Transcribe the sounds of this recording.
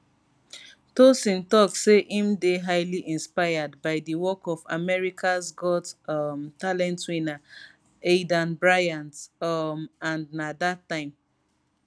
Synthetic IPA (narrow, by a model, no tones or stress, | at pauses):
tosĩntɔk̚seʔĩmdeɦaɪliʔĩnspaɪadbaɪdiwɔkɔva̰mɛɹikʰasɡɔtmtalɛ̃ntwĩna | edãnbɹajãntmãnnadatːãɪ̃m